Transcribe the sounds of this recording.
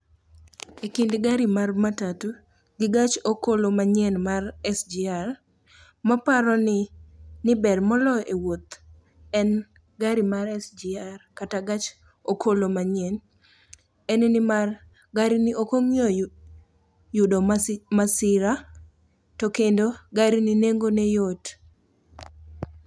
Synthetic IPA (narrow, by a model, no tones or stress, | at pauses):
ekindɡaɾimarmatatu | ɡɪɡat͡ʃokolomaɲɛnmarɛsd͡ʒiar | mapaɾɔnɪnɪbɛrmɔlɔʔewot̪ | ɛn | ɡaɾimaɾɛsd͡ʒiarkataɡat͡ʃ | okʰolomaɲɛn | ɛnnɪmar | ɡaɾinɪʔokoŋjɔ | jʊdomasɪɾa | tokendoɡaɾinineŋɡonɛjot